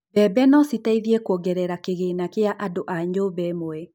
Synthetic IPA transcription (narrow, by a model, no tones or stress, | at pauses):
bɛbɛnɔsitaiðiɛkɔɡɛɾɛɾakeɣenakeaʔadoʔaɲobɛmoɛ